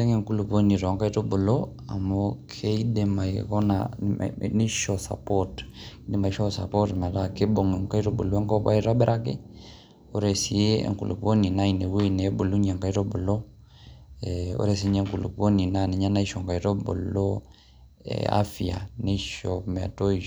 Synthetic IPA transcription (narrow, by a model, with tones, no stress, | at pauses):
ɛ˦ŋɛ˨ŋku˦lu˨po˦ni˨ɾɔ˨ŋka˦i˦to˦bo˨lo˦ | a̰˨mokʰe˦i˦dɛ˨ma˨ikɔ˦na̰ | ne˦ʃɔ˨sa̰˨pɔt | ki˦dɛ˦˨ma˨i˦ʃɔ˦sa̰˨pɔ˦tma˨ta˦ke˦bo˨ŋɛ˨ŋka˦i˦ɾo˦bo˨lo˦ɛ˦ŋkɔ˦pa̰˦i˦ɾa˦bɛ˦ɾʔa˦kḛ˦ | o˦ɾɛ˨si˨e˦ɛ̰˨ŋkṵ˨lṵ˨po˦ni˨na˦i˨ne˨we˦i˨ne˨˦bo˨lu˦ɲa˨ŋka˦i˦tɔ˦bo˨lɔ˦ | ɛo̰˦ɾɛ˨si˦ɲɛ˦ŋku˨lṵ˨po˦ni˨na˨ne˨ɲa˦na˦i˦ʃɔ˨ŋka˨i˦tɔ˦bo̰˨lɔ̰˦ | a̰˦fia̰˨ne˦ʃɔm˨a̰˨tɔ˦i